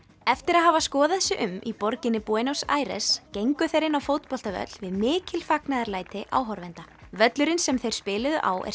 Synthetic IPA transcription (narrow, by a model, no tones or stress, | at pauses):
ɛft̪ɪɾaðɦavaskɔːðaɛsɪʔʏmḭpɔɾcɪnːɪpuɛnowsa̰ːjɾɛ̰scejŋkʏθejɾɪnːawfowt̪pɔl̥t̪avœ̰t̪lvɪðmɪːcɪlfaknaðaɾlaːjt̪ɪʔa̰ːwɦɔɾvɛnt̪avœt̪lʏɾɪnsɛmθejɾ̥spɪːlʏðʏ̰ʔa̰ːwʔɛ̰